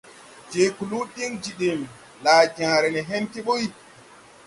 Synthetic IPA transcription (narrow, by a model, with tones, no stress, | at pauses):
d͡ʒe˨ku˨lu˦ɗi˦ŋd͡ʒi˨ɗi˨m | laː˨d͡ʒã˨ɾɛ˨nɛ˨ɦɛ˦nti˦ɓo˦j